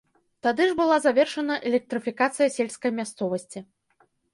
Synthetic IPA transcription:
t̪ad̪ɨʐbɨlˠazavʲɛrʂɐnɐʔɛlʲɛk̚t̪ɾɨfʲikat̪sɨjɐsʲelʲskɐjmʲast̪sɔvɐsʲt͡sʲi

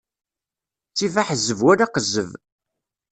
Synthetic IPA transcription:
t͡sːivaħəzəvwæɾaqəzəv

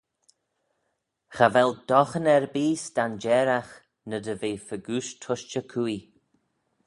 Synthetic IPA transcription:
xavɛld̪̥ɔxənɛɹbiːsd̪and͡ʒɛɾax | nəd̪əveːfəɡuːʃtʰʊʃt͡ʃəkʰui

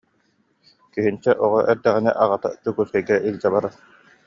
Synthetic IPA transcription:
kyɦint͡ɕɛʔɔʁɔʔɛɾd̪ɛʁinɛʔaʁat̪a̰t̪ukuskɛjɡɛʔild͡ʑabaɾa

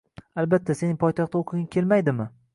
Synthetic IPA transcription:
albat̪ʰːase̞nɪŋpʰɒjt̪ʰɑχt̪ːaoqʰɪɡʲakʲʰe̞lmajd̪ɪmɪ

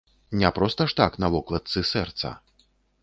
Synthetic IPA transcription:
nʲɛpɾɔst̪ɐʂt̪aknɐvɔklˠɐt̪sɨsɛrt̪sɐ̰

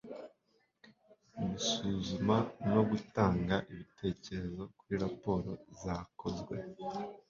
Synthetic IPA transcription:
umusuzumano̞ɡutaːŋɡaʔiβitʰe̞ːce̞ɾe̞zo̞kuɾiɾapo̞ːɾo̞zako̞zɡwe̞

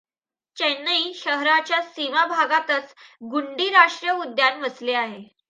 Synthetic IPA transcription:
t͡ɕenːəiɕəɦɾat͡ɕjasimabʱaɡat̪ət͡sɡuɳɖiːɾaʂʈɾjəud̪janʋəsleaɦe

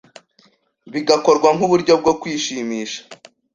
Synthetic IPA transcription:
βiɡako̞ɾɡwaŋhuβuɾɟo̞b̚ɡo̞kwiːʃiːmiːʃḁ

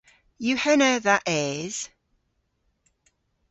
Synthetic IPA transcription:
jəhɛnəðəʔɪz̥

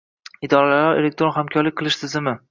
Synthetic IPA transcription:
ɪd̪ɒɾalalaɾelek̚t̪ɾonhamkʲʰɒɾlɪk̚ʲqʰɨlˠɪʃt̪ʰɪzɪmɪ

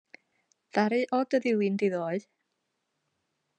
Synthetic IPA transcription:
ð̥aɾɨʔɔdəðɪwɨndiðoːɨ

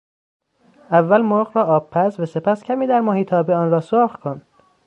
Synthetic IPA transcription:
ævːælmoɾɣɾɒːʔɒːbpʰːæsvæsepʰæscʲʰæmiːd̪æɾmɒːhiːt̪ʰɒːbeɒːnrɒːsoxkʰond̪̥

